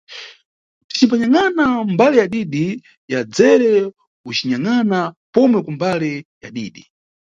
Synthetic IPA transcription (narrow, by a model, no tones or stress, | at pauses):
ti̥t͡ʃip̬aɲaŋanambalɛjaɗiɗi | jad͡zɛɾɛ | ut͡ʃiɲaŋanapɔmwɛkambalɛja̰ɗḭːɗi